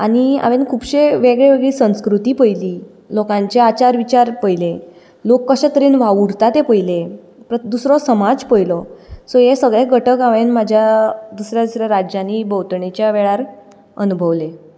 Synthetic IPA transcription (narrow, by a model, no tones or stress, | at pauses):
aɽ̃ia̰ʋẽnkʰuːbɕeʋeɡɭeʋeɡɭiːsə̃w̃skɾut̪iːpəjliː | lokãɲt͡ɕeat͡ɕaɾʋit͡ɕaɾpəjle | lokːəɕɛ̃t̪əɾiːnʋaʋuɽt̪at̪epəjle | pəd̪usɾɔsəmad͡zpəjlɔsɔjesəɡɭeɡʱəʈəkaʋenmad͡ʑʱjad̪usɾjad̪usɾaɾad͡ʑjaniːbəwt̪ɳet͡ɕjaʋeɭaɾ | ə̰nubʱəʋle